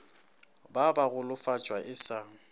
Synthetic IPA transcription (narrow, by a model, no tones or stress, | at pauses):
babaɣʊlʊfat͡ʃʼwaʔɪsaːŋ̩